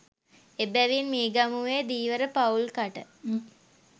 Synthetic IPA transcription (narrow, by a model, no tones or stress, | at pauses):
ebæʋinmiːɡamuʋeːd̪iːʋəɾəpaulkaʈə